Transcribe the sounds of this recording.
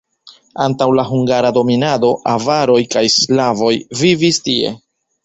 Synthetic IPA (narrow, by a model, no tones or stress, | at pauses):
antawlaɦuŋɡaɾado̞minado̞ʔavaɾo̞jkajslavo̞jvivistie̞̰